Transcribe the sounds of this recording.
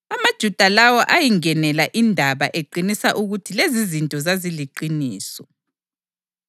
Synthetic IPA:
amad̥ʒ̥ʱud̥ʱalawɔʔajiŋɛnɛlaʔindʱaβaʔeǃinisaʔuɣutʰilezizintʼɔzaziliǃiniːsɔ

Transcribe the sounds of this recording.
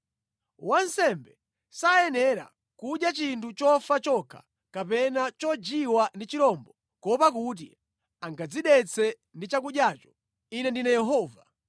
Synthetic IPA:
wansɛmbɛ | sajɛnɛɾa̰ | kuɗjat͡ʃintʰut͡ʃɔfat͡ʃɔkʰḁ̰ | kapɛnat͡ʃɔd͡ʒiwandit͡ʃiɾɔmbɔ | kɔpak̬ut̬ḭ | aŋɡad͡ziɗɛt͡sʰɛ | ndit͡ʃakuɗjaːt͡ʃɔ̥ | inɛndinajɛɦɔːva

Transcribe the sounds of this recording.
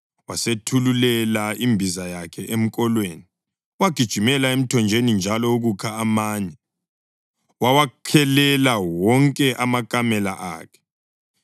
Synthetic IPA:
wasetʰululɛlaimbʱizajakʰɛʔem̩kʼɔlweːni | waɡ̥ʱid̥ʒ̥ʱimɛlaem̩tʰɔnd͡ʒʱenind͡ʒʱalɔuɣukʰaːmaːɲɛ | wawakʰɛlɛlawɔŋkʼɛʔamakʼamɛla̰ʔa̰ːkʰɛ̥

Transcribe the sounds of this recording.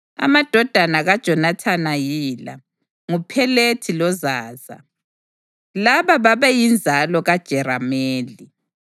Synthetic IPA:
a̰mad̥ʱɔd̥ʱanaɣad̥ʒ̥ʱɔnatʰanajiːla̰ | ŋupʰɛletʰilɔzaːza̰ | laβaβaβɛjind͡zʱalɔɣad̥ʒ̥ʱɛɾameːli

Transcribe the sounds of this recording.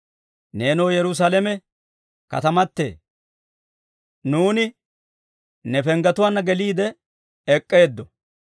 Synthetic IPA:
ne̞ːnɔwjɛɾʊs̬aːlɛmɛ | kɐ̰t̪ɐmɐt̪ːe̞̰ː | nuːnɪ | nɛpɛŋɡɐt̪ʊwaːnːɐɡɛliːd̪ɛ | ɛkʼːe̞ːd̪ːɔ

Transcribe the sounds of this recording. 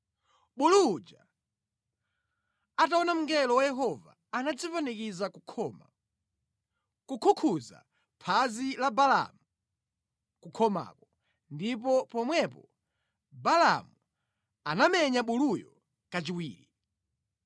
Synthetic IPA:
ɓulud͡ʒa | ataɔnam̩ŋɡɛlɔwajɛɦɔva̰ːnad͡zifanikiza | kukʰukʰuza̰ | pʰazilabala̰mu | kukʰɔma̰ːkɔ | ndipɔpɔmwɛpɔ | balamu | anamɛɲaɓulujɔ | kat͡ʃiwiːɾḭ

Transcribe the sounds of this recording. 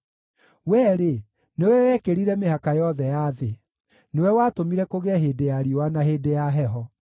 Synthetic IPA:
wɛːɾe | newɛwɛkeɾiɾɛmehakajɔðɛjaːðe | newɛwatomiɾɛkoɣɛɦeːdejaɾiowanaɦeːdejaɦɛɦɔ

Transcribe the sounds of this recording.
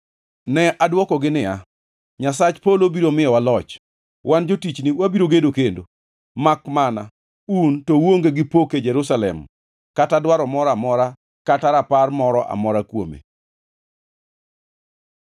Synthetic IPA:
nɛʔadwɔkɔɡɪnɪa | ɲasat͡ʃpolobiɾomɪjɔwalɔt͡ʃ | wʔand͡ʒotit͡ʃniwabiɾoɡedokendo | makmana̰ | untɔwoŋɡeɡɪpoked͡ʒɛɾusalɛ̰m | katadwaɾɔmɔɾamɔɾa | kataɾaparmɔɾɔʔa̰mɔɾakwo̰mḛ

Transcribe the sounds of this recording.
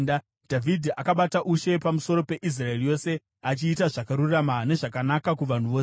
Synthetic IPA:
dʱavidʱiakaɓataʔuʃe̞pamuso̞ɾo̞pe̞ʔis̬raerijo̞ːse̞ | at͡ʃiːtaʐakaɾurramane̞ʐakanakakuʋan̤uʋoːse

